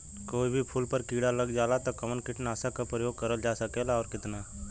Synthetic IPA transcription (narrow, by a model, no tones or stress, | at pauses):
koːibʱipʰʊːlpəɾkiːɽalɐɡd͡ʒaːlat̪okɐmənkɪʈnaːsakapɾəjoːɡ̚kɐɾəld͡ʒaːsəkeːlaɔːɾkɪt̪naː